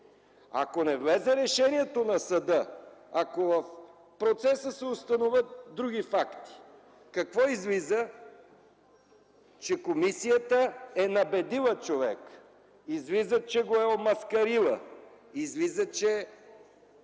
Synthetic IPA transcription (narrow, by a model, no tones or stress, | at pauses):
a̰konɛvlɛzɛɾɛʃɛniɛt̪onɐsɐd̪ɤakovəf | pɾot̪sɛsəsɛost̪ɐnovʲət̪̚d̪ɾuɡʲifakt̪i̥ | kɐkvɔizlizə | t͡ʃɛkomisijət̪əɛnɐbɛd̪ilˠət͡ʃovɛ̰k | izvizət͡ʃɛɡoɛomɐskɐɾilˠə̰ | izvizət͡ʃɛ